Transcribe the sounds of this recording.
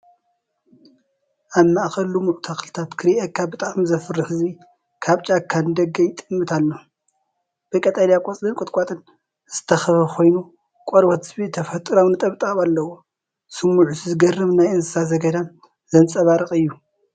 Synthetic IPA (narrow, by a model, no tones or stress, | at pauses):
ʔaβmaʔxɐlumɨʔʼt̪ʰaxɨlɨt̪ʰat̪kʰɨɾiʔɐkʰːabɨt̪ʼamzɐfɨrːɨħɨzi | kʰaβt͡ʃʼakʰːand̪ɐɡɐjt̪ʼɨmːɨt̪ʰalːo | b̥ɐkʼɐt̪ʼalijakʼot͡sʼlɨnkʼɨt̪ʼkʼat̪ʼɨn | z̥ɨt̪ʰɐxɐfɐkʰo̞jnu | kʼoɾbɐt̪ʰɨ̥sbit̪ʰɐfɐt̪ʼɨɾownɨt̪ʼɐβt̪ʼaβalːɐwo | sɨmːuʕuszɨɡɐrɨβnajɨnsɨsazɐɡɐd̪an | zɐnt͡sʼɐβaɾɨxʼɨjːu